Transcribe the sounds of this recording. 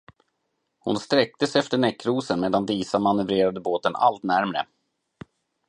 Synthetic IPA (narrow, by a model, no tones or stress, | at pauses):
hʊ̰nst̪ɾɛk̚t̪əsɛft̪əɳɛkːɾuːsənmeːd̪and̪iːsamanɵvɾeːɾad̪əboːt̪ənʔa̰lt̪næɾmɾə̰